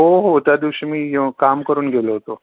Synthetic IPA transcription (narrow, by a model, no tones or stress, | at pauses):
ɦoɦot̪jad̪iʋɕəmiːɦekamkəɾuːnɡʱeloɦot̪o